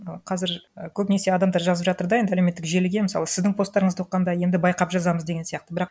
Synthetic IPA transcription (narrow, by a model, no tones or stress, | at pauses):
əqʰɑzɪɾəkʲʰɵpne̞se̞ɑd̪ɑmd̪ɑɾʒɑzəpʒɑt̪əɾd̪ɑje̞nd̪ɪælewme̞t̪ːɪkʒelɪɡʲemɪsɑ̰lˠəsɪzd̪ɪŋpʰo̞st̪ːɑɾəɴəzwoqːɑnd̪ɑje̞nd̪ɪbɑjqɑpʒɑzɑməzd̪eɡʲe̞nsijɑqt̪əbɪɾɑq̚